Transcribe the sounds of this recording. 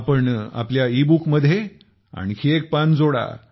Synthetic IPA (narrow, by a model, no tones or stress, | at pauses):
pəɳa̰pljaibukməd̪ʱːje | a̰ɽ̃ikʰiek̚pand͡zoɽa̰